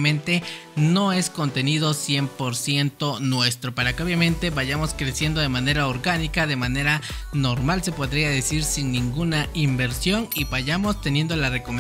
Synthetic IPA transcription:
mẽ̞nt̪e̞no̞e̞sko̞nt̪e̞nið̞o̞sje̞mpo̞ɾsje̞nt̪o̞nwe̞st̪ɾo̞paɾakeo̞βjamẽ̞nt̪e̞βaʝamo̞skɾe̞sje̞nd̪o̞ðe̞mane̞ɾaoɾɣanikaðe̞mane̞ɾano̞ɾmalse̞po̞ðɾiaðesiɾsinːĩŋɡunaimbe̞ɾsjo̞niβaʝamo̞st̪e̞nje̞nd̪o̞lare̞kome

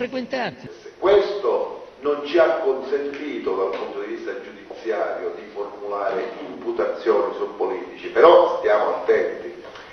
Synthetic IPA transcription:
fɾekwent̪asekːwest̪onont͡ʃiakːonsent̪iːt̪od̪alpunt̪od̪ivist̪ad͡ʒud̪it̪sːjaːɾjod̪iformulaːɾeimput̪at̪sːjɔːnisuppːoliːt̪it͡ʃipɛɾɔst̪jaːmoat̪ːɛnt̪i

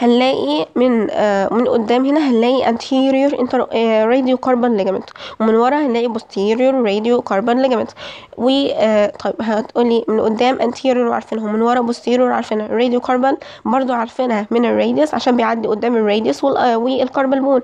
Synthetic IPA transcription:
hælːæːʔimenmenʔo̰d̪ːæːmhenæɦælːæːʔiʔænt̪ʰiɾjoɾʔent̪æɾeːd̪jokɑɾˤbænliɡæment̪wemenwɑɾˤɑhælːæːʔibost̪ʰiːɾjoɾwɾed̪jokɑɾˤbɑnliɡæment̪wet̪ˤʰɑjebɦæt̪ʔuːlːiːmenʔod̪ːæːmʔænt̪ʰiːɾjoɾweʕa̰ɾˤfenhæwemenwɑɾˤɑbost̪iːɾjoɾˤʕa̰ɾˤfenhæɾːeːd̪jokʰɑɾˤbæl | bɑɾˤd̪ˤoʕaɾˤfenhæmenerːejd̪esʕaʃæːmbejʕad̪ːiʔod̪ːæːmerˤːejd̪eswewelkɑɾˤbælbuːn

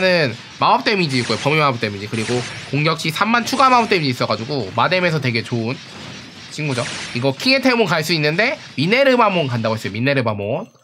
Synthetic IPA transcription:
nɯn | maɦʌp̚t͈emid͡ʑiːk͈ojopʌmimaʌp̚t͈e̞mid͡ʑikɯɾiɡokoŋɡjʌk̚ɕ͈isʰamːant͡ɕʰuɡamaʌp̚t͈emiɲiis͈ʌɡad͡ʑuɡomade̞mesʰʌtwe̞ɡe̞t͡ɕoɯn | t͡ɕʰinɡud͡ʑoiɡʌkʰiŋe̞tʰemonkaɭs͈uinːɯnde̞ | mine̞ɾɯbamonkandaɡoɦes͈ʌjominːe̞ɾɯbamon

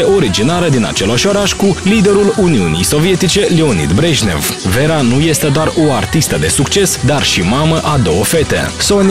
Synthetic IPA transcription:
eʔo̞ɾid͡ʒinaɾəd̪ina̰t͡ʃe̞laʃo̞ɾaʃʲkulid̪e̞ɾuluniunḭjso̞vije̞t̪it͡ʃe̞leo̞nḭd̪bɾeʒne̞̰vve̞ɾanuje̞st̪e̞d̪oaro̞art̪ist̪əd̪e̞sukt͡ʃe̞sd̪arʃimaməʔad̪o̞wəfe̞t̪e̞̰so̞n

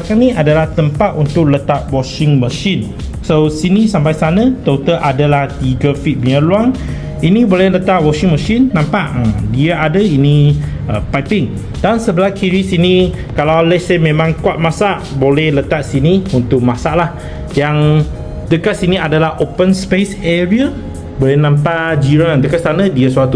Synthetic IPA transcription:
akanĩʔadalaht̪əmpat̪̚unt̪ʊk̚lət̪aʔ̚wɔʃɪŋməʃin | sosinisampajsanət̪ot̪əʔadəlaht̪iɡəfit̪̚biəluan | inibolɛlət̪aʔwɔʃiŋməʃinːãmpaʔədiaadəini | əpajpɪŋ | dansəbəlahkiɾisini | kalawlɛsemẽmãŋkuat̪̚masaʔbolɛhlət̪aʔsiniunt̪ʊk̚mãsaʔlah | jaŋ | dəkat̪̚siniadalahʔopənspesɛɹia | bolɛhnãmpaʔd͡ʒiɾandəkasanə̃diasuat̪u

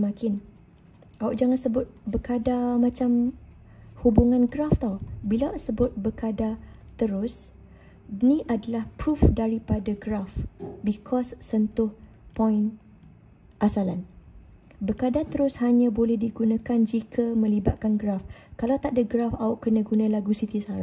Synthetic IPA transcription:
səmakɪn | ʔaʊʔd͡ʒaŋansəbʊt̪̚bəkadamat͡ʃam | hubuŋãnɡɾaft̪ɔbilaʊʔsəbʊt̪̚bəkadat̪əɾʊs | nĩʔadalahpɾufdaɾipadaɡɾafbikʰɔsːənt̪ʊh | pɔɪn | ʔasalan | bəkadat̪əɾʊshaɲãbolɛhdiɡunãkand͡ʒikʰəmə̃libat̪̚kanɡɾafkalawt̪aʔdəɡɾafaʊʔkərnãɡunãlaɡusit̪isaɾa

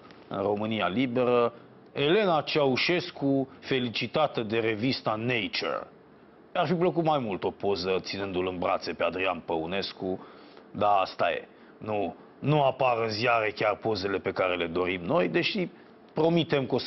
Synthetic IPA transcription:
ɨ̰nro̞mɨnialibe̞ɾə | e̞le̞nat͡ʃauʃe̞skufe̞lit͡ʃit̪at̪əd̪e̞ɾe̞vist̪anejt͡ʃḛr | arfipləkut̪majmult̪o̞po̞zət̪sinɨnd̪ulɨnbɾa̰t̪se̞pe̞ad̪ɾianpəune̞sku | d̪aast̪aje̞̰ | nu | nuapaɾɨnzjaɾe̞kʲarpo̞ze̞le̞pe̞kaɾe̞le̞d̪o̞ɾimno̞jd̪e̞ʃi | pɾo̞mit̪e̞mkos

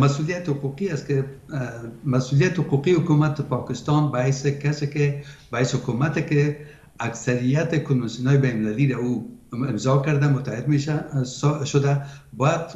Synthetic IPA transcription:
masulijat̪hʊquqiaske | masulijat̪hʊquqihʊkumat̪̚ːɪpɔkɪst̪ɑnbahajsekasekebahajshʊkumat̪eke | aksaɾijat̪ɪkʊnwansiunɑjbajnmɪlaliɾauɪmzɑkaɾd̪amʊt̪ahɪd̪meʃa | ʃʊd̪abɔjad̪

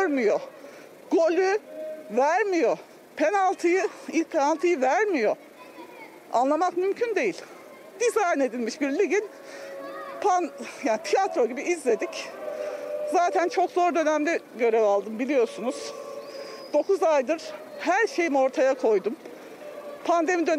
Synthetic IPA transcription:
ɾmijo | ɡ̥o̞lʲyvæɾmijo̞ | pʰe̞nalˠt̪ʰɯjɯilpʰenalˠt̪ʰɯjɯvæɾmijo̞ | a̰nlˠamakmymcʰynd̪e̞jilʲ | d̪̥izajne̞d̪ilʲmiʃbiɾlʲiɟin | pʰanjaːnit̪ʰijat̪ɾo̞ɟibiʔizlʲe̞d̪ic | zaːt̪ʰænt͡ʃʰo̞kzo̞ɾd̪ø̞næmd̪ɛɟø̞ɾevalˠd̪ɯmbilʲijo̞sunuz̥ | d̪̥o̞kuzajd̪ɯɾ̥ | hæɾʃe̞jimio̞ɾt̪ʰajakʰo̞jd̪um | pʰand̪e̞mid̪øn

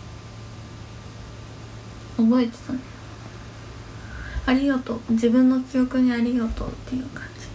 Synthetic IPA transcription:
obo̞it̪e̥t̪an | aɾʲijot̪od͡ʑibɯ̟̃nːo̞t͡sɨjo̞kɯ̟ɲ̟iaɾʲijo̞t̪o̰t̪ːe̞jɯ̟ːkʰḁ̃ɲd͡ʑi̥

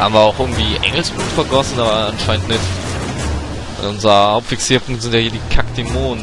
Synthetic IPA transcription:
ha̰ːbmviːɐaʊxʔɪɐɡŋ̩tv̥iːʔɛ̰ŋl̩sb̥uːtfɛɐɡɔsn̩aːbɐanʃaɪəntnɪtfi | ɛ̰nʊnzʁəhaʊpfiksiːɐpʊŋzɪntjahiːɐdiːkʰakd̥imoːn

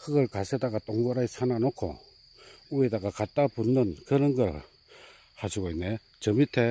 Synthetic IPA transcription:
kɯɡʌɭkasʰedaɡat͈ʼoŋɡoɾaisʰananokʰo̰ | uedaɡakat͈̚apunːɯnkɯɾʌnɡʌɾ | haɕʰiɡoinːe | t͡ɕʌmitʰe

